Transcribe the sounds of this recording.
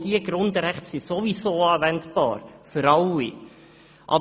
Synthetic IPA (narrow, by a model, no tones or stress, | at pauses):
d̥iəɡɾʊnd̪əɾɛχtsisovisoːɑːvɛntb̥ɑ̰ːɾføɾɑlːi | ʔɑ̰b